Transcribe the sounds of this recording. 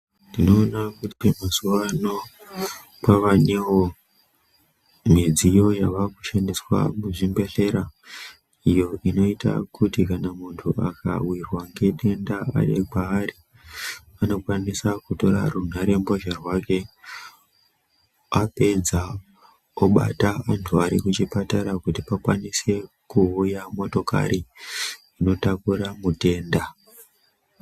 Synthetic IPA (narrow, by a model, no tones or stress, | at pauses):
ndino̞ːnakutimazuʋano̞ | paʋanewo̞ | m̤id͡zijo̞jaʋakuʃandiswa̰muʐimbe̞ɬe̞ɾa | ijo̞ʔino̞ita̰kʰutikanamuntʰua̰ka̰wirwaŋɡe̞ɗe̞ndaa̰ɗḛkaːɾi | ano̞kwanisakuto̞ɾa̰run̤aɾe̞mboʒarwake̞ | ape̞d͡za | oɓa̰taantʰuaɾḭkut͡ʃipataɾakutipakwanise̞ | kuujamo̞to̞ka̰ɾi | ino̞takuɾamute̞ːnda